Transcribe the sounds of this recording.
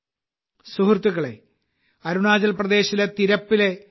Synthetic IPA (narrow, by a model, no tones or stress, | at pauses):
suɦrt̪ːuɣɐɭḛ | ɐɾuɳaːd͡ʑɐlprɐd̪e̞ːɕilet̪iɾɐpːile̞